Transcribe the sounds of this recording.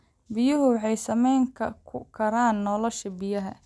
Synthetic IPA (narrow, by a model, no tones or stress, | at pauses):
bɪjʊɦʊwɑħɑjsɐmɛjŋkʰɐkʰʊkʰɐɾaːnːɔlɔʃɐbɪjɐɦɐ